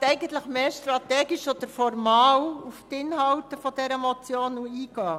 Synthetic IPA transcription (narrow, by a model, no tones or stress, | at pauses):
ɛɪɡən̩t̪ləχmeːʃt̪ɾɑt̪ɛːɡiʃɔd̪̥əɾfɔɾmɑːwuft̪ɪnɦɑltəfɔd̥ɛɾɛmɔt͡sjoːnuiːɡɑː